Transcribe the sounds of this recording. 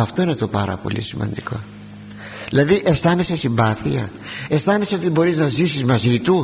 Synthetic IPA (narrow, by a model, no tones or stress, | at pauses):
ɐft̪o̞inet̪o̞pɐɾɐ̰po̞̰lḭsimɐ̰nd̪iko̞̰ | ðilɐðiʔest̪ɐnese̞simbɐθiɐ̰est̪ɐneseo̞t̪ibo̞ɾiznɐzisizmɐzit̪u